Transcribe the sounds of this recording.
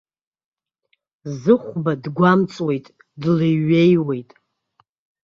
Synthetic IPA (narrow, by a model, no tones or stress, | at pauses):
zɨχʷbadɡʷamt͡sʼwe̞jtʼ | dleɥe̞jwe̞jtʼ